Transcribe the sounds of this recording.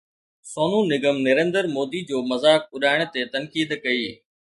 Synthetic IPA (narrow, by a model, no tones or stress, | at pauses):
soːnũːnɪɡəmnɐɾẽːnd̪əɾmoːd̪id͡ʑoːmɐzaːk̚ʊɗaːɪɽ̃̆t̪et̪ɐnkiːd̪kɐiː